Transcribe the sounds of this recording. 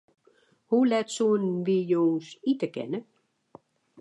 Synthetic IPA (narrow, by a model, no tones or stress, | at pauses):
hulɛtsoənʋijoːsitəkɛ̰nə